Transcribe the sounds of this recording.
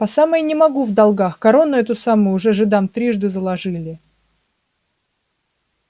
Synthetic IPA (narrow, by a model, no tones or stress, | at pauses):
pɐsamənʲɪmɐɡuvd̪ɐlˠɡaxkɐɾo̞nːʊɛt̪ʊsamʊjʊʐɛʐɨd̪amt̪ɾʲiʐd̪ɨzəlˠɐʐɨlʲɪ